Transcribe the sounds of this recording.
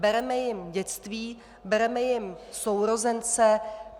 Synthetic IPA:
bɛɾɛmɛjɪmɟɛt͡st̪viː | bɛɾɛmɛjɪmsowɾo̞zɛnt͡sɛ

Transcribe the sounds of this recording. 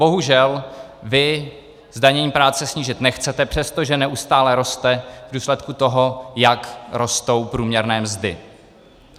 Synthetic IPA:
bo̞ɦuʒɛlvɪ | zdaɲɛɲiːpɾaːt͡sɛsɲiːʒɪt̪nɛxt͡sɛt̪ɛpr̝̥ɛst̪oʒɛnɛʔust̪aːlɛɾo̞st̪ɛvduːslɛt̪kut̪o̞ɦo̞jakɾo̞st̪o̞wpɾuːmɲɛɾnɛːmzdɪ

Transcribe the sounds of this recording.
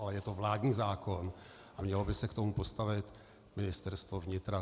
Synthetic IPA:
alɛjɛt̪o̞vlaːdɲiːzaːko̞n | ʔamɲɛlobɪsɛkt̪omupo̞st̪avɪt̪ | mɪnɪst̪ɛɾst̪vo̞vɲɪt̪ɾa

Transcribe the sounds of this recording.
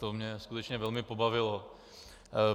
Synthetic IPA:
t̪omɲɛskut̪ɛt͡ʃɲɛvɛlmɪpo̞bavɪlo

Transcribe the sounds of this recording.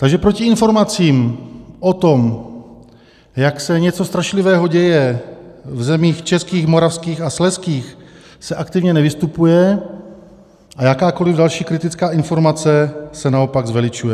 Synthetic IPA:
t̪aɡʒɛpɾocɪɪnfo̞ɾmat͡siːmʔot̪o̞m | jaksɛɲɛt͡so̞st̪ɾaʃlɪvɛːɦoɟɛjɛ | vzɛmiːxt͡ʃɛskiːxmo̞ɾafskiːxaslɛskiːx | sɛʔakt̪ɪvɲɛnɛvɪst̪upujɛ | ʔajakaːko̞lɪvdalʃiːkɾɪt̪ɪt͡skaːɪnfo̞ɾmat͡sɛsɛnaopaɡzvɛlɪt͡ʃujɛ

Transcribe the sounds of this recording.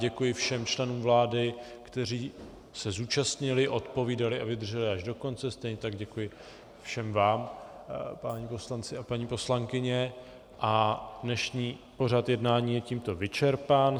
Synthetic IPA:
ɟɛkujɪfʃɛmt͡ʃlɛnuːmvlaːdɪkt̪ɛɾ̝iː | sɛzuːt͡ʃast̪ɲɪlɪʔo̞t̪po̞viːdalɪʔavɪd̪rʒɛlɪʔaʒdo̞ko̞nt͡sɛst̪ɛjɲɛt̪aɡɟɛkujɪ | fʃɛmvaːm | paɲipo̞slant͡sɪapaɲiːpo̞slaŋkɪɲɛ | ʔadnɛʃɲiːpo̞r̝at̪jɛdnaːɲiːjɛciːmt̪o̞vɪt͡ʃɛɾpaːn

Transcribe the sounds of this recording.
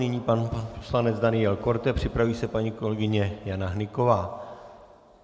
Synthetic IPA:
nɪɲiːpanpo̥slanɛd͡zd̪anɪjɛlko̞ɾt̪ɛpr̝̥ɪpɾaviːsɛpaɲiːko̞lɛɡɪɲɛjanaɦnɪko̞vaː

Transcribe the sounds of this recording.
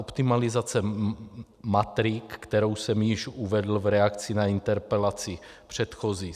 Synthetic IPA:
opt̪imalɪzat͡sɛ | mat̪ɾɪkːt̪ɛɾowsɛmjɪʃuvɛd̪l̩vɾɛakt͡sinaint̪ɛɾpɛlat͡si | pr̝̥ɛt̪xozi

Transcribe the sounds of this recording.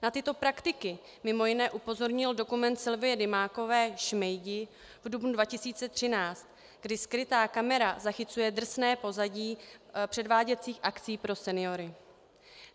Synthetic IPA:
nat̪ɪt̪o̞pɾakt̪ɪkɪ | mɪmo̞jɪnɛːʔupo̞zo̞ɾɲɪldo̞kumɛnt̪sɪlvɪjɛdɪmaːko̞vɛːʃmɛjɟɪ | vdubnudvacɪsiːt͡sɛt̪r̝̥ɪnaːt͡st̪ | ɡdɪskɾɪt̪aːkamɛɾazaxɪt͡sujɛd̪r̩snɛːpo̞zaɟiːpr̥ɛdvaːɟɛt͡siːxʔak̪t͡siːpɾo̞sɛnɪjo̞ɾɪ

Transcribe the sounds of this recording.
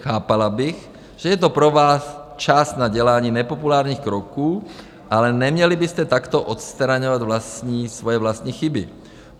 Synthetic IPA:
xaːpalabiɣ | ʒ̥ɛjɛt̪opɾoʋaːst͡ʃast̪naɟɛlaːɲiːnɛpopulaːɾɲiːxkɾɔkuː | ʔalɛnɛmɲɛlibist̪ɛt̪akt̪oʔɔt̪st̪ɾaɲɔvad̪vlasɲiːsʋɔjɛvlast̪ɲiːxibḭ

